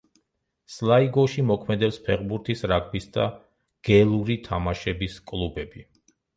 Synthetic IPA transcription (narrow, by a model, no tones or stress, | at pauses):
slˠaiɡɔʃimɔkʰmɛd̪ɛpspʰɛʁbuɾt̪ʰisɾakʰbisd̪a̰ | ɡ̥ɛlˠuɾit̪ʰamaʃɛbiskʼlˠubɛbi